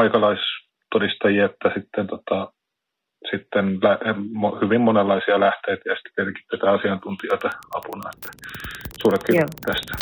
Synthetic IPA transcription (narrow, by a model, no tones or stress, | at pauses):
ɑikɑlɑis | t̪odist̪ɑjiɑet̪ːæsit̪ːent̪ot̪ɑ | sit̪ːenlæmohyʋimmonelːɑisiɑlæht̪eit̪æjɑsi̥t̪ːe̥perki̥t̪ːeˑit̪æɑsiɑnt̪unt̪ioit̪ɑɑpunɑet̪ːæ̥suːrek̪kit̪æst̪æ̥